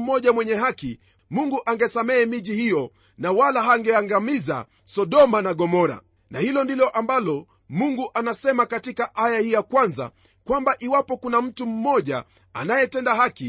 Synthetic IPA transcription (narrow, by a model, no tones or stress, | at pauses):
m̩mɔʄamwɛɲɛɦaki | muŋɡuʔaŋɡɛsamɛːmiʄihijɔ | nawalaɦaŋɡɛaŋɡamiza̰ | sɔɗɔmanaɠɔmɔɾa̰ | nahilɔndilɔʔambalɔ | muŋɡuʔanasɛmakatikaʔajahijakwanza̰ | kwambaʔiwapɔkunam̩tum̩mɔʄa̰ | a̰najɛtɛndahaki